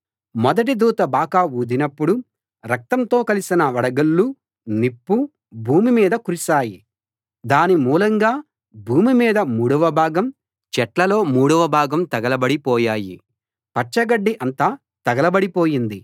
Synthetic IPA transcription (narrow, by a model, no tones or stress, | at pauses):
mɔd̪ɐʈ̬id̪uːt̪ɐbaːkaːuːd̪inɐpːuɽu | ɾɐk̚t̪ɐnt̪o̞ːkɐlisinɐʋɐɽɐɡɐlːu | nipːu | bʱuːmimiːd̪ɐkuɾisaːji | d̪aːnimuːlɐŋɡaː | bʱuːmimiːd̪ɐmuːɽɐʋɐbʱaːɡɐm | t͡ʃɛʈlɐlo̞ːmuːɽɐʋɐbʱaːɡɐmt̪ɐɡɐlɐbɐɽipɔːjaːjḭ | pɐʈt͡ʃɐɡɐɖːiʔɐnt̪aː | t̪ɐɡɐlɐbɐɽipoːjind̪i